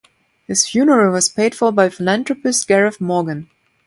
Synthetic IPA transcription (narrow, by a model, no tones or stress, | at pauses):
hɪsfjunə˞əwʌz̥pʰeɪd̥fɔbaɪfɪlæ̃ntɹəpɪstɡ̥ɛɹəfmɔɡə̃n